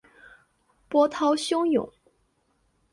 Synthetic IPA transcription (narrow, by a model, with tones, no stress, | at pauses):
pwɔ˥t̪ʰɑ˥ʊɕjʊ˥ŋjʊ̰˨˩˦ŋ